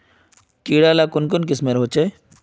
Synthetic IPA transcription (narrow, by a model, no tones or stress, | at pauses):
kiːɽaːlaːkʊnkʊnk̬ɪsmeɾɦoːt͡ʃe